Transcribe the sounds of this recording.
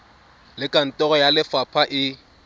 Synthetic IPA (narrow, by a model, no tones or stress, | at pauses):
lɪkʼan̩tʼɔɣɔjalɪfapʰaʔɪ